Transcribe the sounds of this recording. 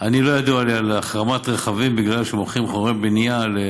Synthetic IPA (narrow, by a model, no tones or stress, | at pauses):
ʔanilo̞jad̪ualialaχʁamat̪ʁeχavimbiɡlalʃemoχimχoʁebeniale